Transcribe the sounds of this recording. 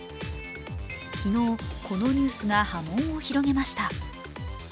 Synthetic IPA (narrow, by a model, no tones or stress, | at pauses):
kʲino̞ːko̞no̞ɲ̟ɨːsɨɡahamõ̞ɰ̃oçiɾo̞ɡe̞maɕi̥t̪a